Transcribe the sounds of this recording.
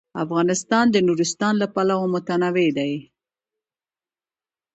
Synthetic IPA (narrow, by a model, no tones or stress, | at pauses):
afɣɑnɪst̪ɑnd̪ənuɾɪst̪ɑnlapalawomʊt̪anawed̪aj